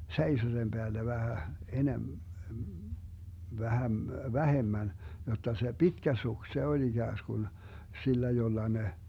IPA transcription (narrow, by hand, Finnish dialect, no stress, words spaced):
seiso sem b̥eælːæ ʋæhæ enem ʋæhæm ʋæhemːæn jotːɑ se pitkæ suks se olʲ iɡ̊æːsɡ̊un silːæ jolːɑ ne